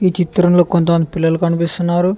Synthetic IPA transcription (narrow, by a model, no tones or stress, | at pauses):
iːt͡ʃit̪ɾɐmlo̞ːkont̪ɐmɐnd̪ipilːɐlukɐnipist̪unːaːɾu